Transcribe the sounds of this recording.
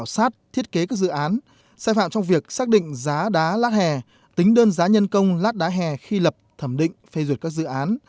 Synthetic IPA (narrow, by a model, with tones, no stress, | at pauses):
wsaː˦˥t̚t̪ʰi˦˥ət̚ke˨˦kaː˦˥k̚zɨ̰˧˨ʔaː˨˦n | saː˧jfa̰ː˧˨mt͡ɕɔ˧wŋ͡mvi˨˩ək̚saː˦˥k̚ɗḭ̈˧˨ŋ̟zaː˨˦ɗaː˨˦laː˦˥t̚hɛ˨˩ | t̪ï˨˦ŋ̟ɗəː˧nzaː˨˦ɲə˧nkə˧wŋ͡mlaː˦˥t̚ɗaː˨˦ɦɛ˨˩xi˧lə˨˩p̚t̪ʰə˧˩mɗḭ̈˧˨ŋ̟fe˧zwi˨˩t̚kaː˦˥k̚zɨ̰˧˨ʔaː˨˦n